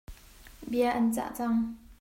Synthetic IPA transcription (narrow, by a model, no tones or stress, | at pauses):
biəʔɐnt͡sa̰ʔt͡sɐŋ